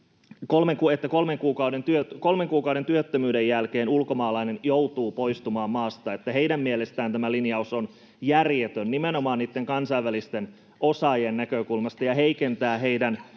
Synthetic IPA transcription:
kolmeŋkuet̪ːæko̞lmeŋkuːkɑwde̞nt̪yøko̞lmeŋkuːkɑwde̞nt̪yøt̪ːømyːdejjælke̞ːnulko̞mɑːlɑinenjowt̪uːpo̞ist̪umɑːmmɑːst̪ɑet̪ːæɦeidæmːielest̪æːnt̪æmælinjɑuson | jærjet̪ønnimeno̞mɑːniːt̪ːeŋkɑnsɑiʋælist̪en | ʔo̞sɑjennækøkulmɑst̪ɑjɑɦeikent̪æːɦe̞idæn

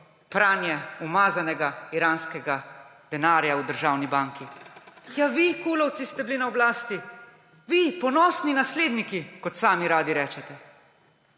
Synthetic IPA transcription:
pɾaːnjɛumaːzanɛɡaiɾaːnskɛɡad̪ɛnaːɾjaud̪əɾʒaːwnibaːŋkijaʋikuːlɔwt̪sist̪ɛbilinaɔblaːst̪i | ʋipɔnɔːsninasleːd̪nikikɔt̪saːmiɾaːd̪iɾɛːt͡ʃɛt̪ɛ

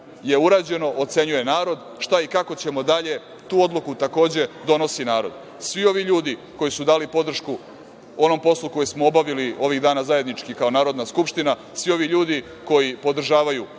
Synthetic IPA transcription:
je̞uɾaːd͡ʑe̞no̞ʔot̪se̞ɲuje̞naːɾo̞d̪ | ʃt̪aikako̞t͡ɕe̞mo̞d̪aʎe̞ | t̪uːo̞d̪lukut̪ako̞ːd͡ʑe̞d̪o̞no̞sinaːɾo̞̰d̪ | sʋio̞ʋiʎuːd̪iko̞jisud̪aːlipo̞d̪r̩ʃku | o̞no̞mpo̞slˠuko̞jesmoobaʋilio̞ʋiɣd̪aːnazaje̞d̪nit͡ʃkikao̞naːɾo̞d̪naskupʃt̪ina | sʋio̞ʋiʎuːd̪i | ko̞jipo̞d̪r̩ʒaːʋaju

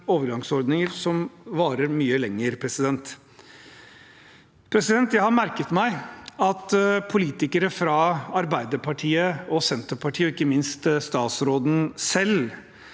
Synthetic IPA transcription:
oːʋəɾɡɑŋsɔɾd̪nɪŋəɾsɔmʋɑːɾəɾmyːəlɛŋːəɾpʰɾɛsɪd̪ɛnt̪ | pʰɾɛsɪd̪ɛnt̪jæɪhɑɾmæɾkət̪mæɪɑt̪pʰʊliːt̪ɪkəɾəfɾɑɑɾbæɪd̪əpʰɑʈʰiːəɔsɛnt̪əpʰɑʈʰiːɔɪkːəmɪnst̪st̪ɑːt̪sɾoːd̪n̩sɛl

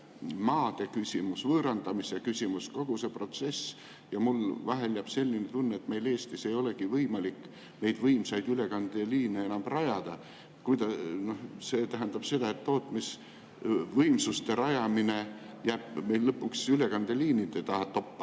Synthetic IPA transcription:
mɑːd̪̥e̞kysʲimusvɤːɾɑnd̪ɑmisjɑkysʲimusko̞ɡ̥use̞pro̞t̪se̞s | jɑmulvɑɦeljæb̥se̞lʲːinet̪unːɑet̪me̞jle̞ːst̪ise̞jo̞le̞ɡivɤjmɑlikː | ne̞jd̪vɤjmsɑjd̪yle̞kɑnd̪̥eliːneenɑmb̥rɑjɑd̪̥ɑ | kujd̪ɑno̞hse̞ːt̪æɦænd̪̥ɑb̥se̞d̪̥ɑe̞t̪ːo̞ːt̪mis | vɤjmsust̪e̞ɾɑjɑmine̞ | jæːb̥me̞jlːɤpːˑuksyle̞kɑnd̪̥eliːnid̪et̪ɑɦɑt̪o̞pːɑ̥

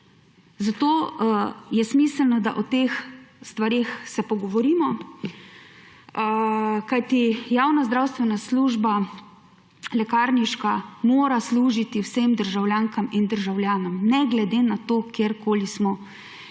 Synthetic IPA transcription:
zat̪oː | jɛsmiːsəlnɔd̪aʔɔt̪eːxst̪ʋaɾeːxsɛpɔɡɔʋɔɾiːmɔ | kajt̪ijaːwnazd̪ɾawst̪ʋɛnasluːʒba | lɛkaːɾniʃkamoːɾasluːʒit̪iwsemd̪əɾʒawljaːŋkamind̪əɾʒawlʲjaːnɔmnɛɡlɛd̪enat̪oːkjeɾkoːlismɔ

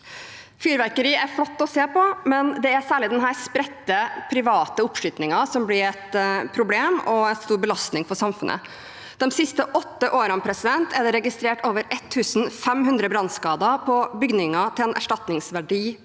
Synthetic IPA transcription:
fyːɾʋæɾkəɾiːæɾflɔt̪ːɔseːpɔmɛnd̪ɛæɾsæːɭɪd̪ɛnɦæːɾspɾɛt̪ːəpʰɾɪʋɑːt̪əʊpʂʏt̪nɪŋɑsɔmblɪɾɛt̪pʰɾʊbleːmɔɛnst̪uːɾbəlɑst̪nɪŋfɔsɑmfʉnʔə̰ | d̪̥ɛmsɪst̪əʔɔt̪ːəʔoːɾəmpʰɾɛsɪd̪ɛnt̪ʰæd̪ɛɾɛɡɪst̪ɾeːʈoːʋəɾʔɛt̪ʰːʉːsn̩fɛmɦʉnd̪ɾəbɾɑnskɑːd̪ɑpʰɔbʏɡnɪŋɑt̪ʰɪlɛnʔæ̰ʂʈɑt̪nɪŋsʋæɖiː

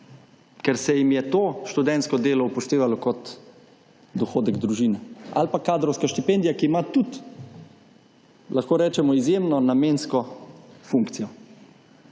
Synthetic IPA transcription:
kɛɾsɛjimjɛt̪oːʃt̪ud̪ɛnt̪skɔd̪eːlɔupɔʃt̪eːʋalɔkɔt̪ | d̪ɔxoːd̪ɛɡd̪ɾuʒiːnɛa̰lpakaːd̪ɾɔwskaʃt̪ipɛnd̪ijakiːmat̪ut̪ | laxkoːɾɛːt͡ʃɛmɔizjemnɔnameːnskɔfuŋkt̪sijɔ

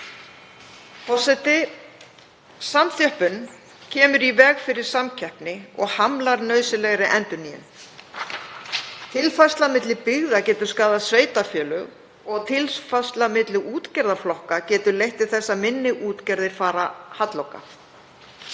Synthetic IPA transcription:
pɔsɛt̪ɪ | samθjœhpʏn | cʰɛːmʏɾivɛɣfɪɾɪɾ̥samcʰɛhpnɪɔɣhamlaɾnœːɥsɪlɛɣɾɪʔɛnt̪ʏnijʏ̰n | t̪ʰɪlfast̪lamɪt̪lɪpɪɣðacɛːt̪ʏɾ̥skaːðasveːjt̪afjœːlʏɣ | ɔɣt̪ʰɪlsfast̪lamɪt̪lɪʔuːt̪cɛɾðaflɔhkacɛːt̪ʏɾlejht̪ɪɾ̥θɛsːamɪnːɪʔuːt̪cɛɾðɪɾ̥faːɾahat̪lowka̰

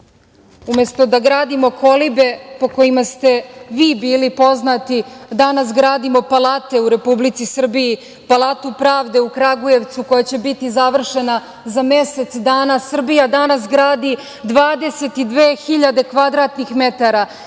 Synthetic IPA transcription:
ume̞st̪o̞d̪aɡɾaːd̪imo̞ko̞libe̞po̞ko̞imast̪e̞ʋiːbiːlipo̞znat̪id̪anasɡɾaːd̪imo̞palˠaːt̪e̞uɾe̞publit̪sisr̩biji | palˠaːt̪upɾaːʋd̪e̞ukɾaɡuje̞ʋt̪suko̞jat͡ɕe̞bit̪izaʋr̩ʃe̞na | zamese̞t̪sd̪aːnasr̩bijad̪anasɡɾaːd̪i | d̪ʋaːd̪e̞se̞t̪id̪ʋeːxiʎad̪e̞kʋad̪ɾat̪nixmet̪aɾa

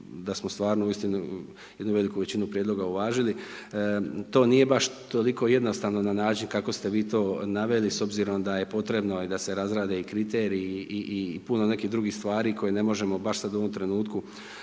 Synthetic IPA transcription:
d̪asmost̪ʋaːɾnouist̪inu | je̞d̪nuʋe̞likuʋe̞t͡ɕinupɾjed̪lˠo̞ɡauʋaːʒili | t̪o̞ːniːje̞baʃt̪o̞liko̞je̞d̪no̞st̪aːʋno̞nanaːt͡ʃinkako̞st̪e̞ʋiːt̪o̞ːnaʋe̞liso̞bziɾo̞md̪aje̞po̞t̪ɾe̞bno̞id̪ase̞ɾazɾaːd̪e̞ikɾit̪eːɾiiʔipuno̞ne̞kiɦd̪ɾuɡixst̪ʋaːɾiːko̞jene̞mo̞ʒe̞mo̞baʃsad̪uo̞ʋo̞mt̪ɾe̞nuːt̪ku

